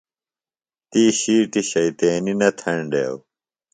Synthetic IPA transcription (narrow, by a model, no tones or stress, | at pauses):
t̪iːɕiːʈiɕɐit̪eːninɐt̪ʰɐɳɖḛːw